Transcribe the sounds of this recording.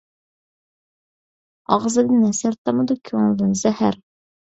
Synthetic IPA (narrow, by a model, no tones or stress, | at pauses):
ɑʁzɨd̪ɨnɛsæɾt̪ʰɑmɨd̪ukʲʰøŋlˠɨd̪ɨnzɛhæɾ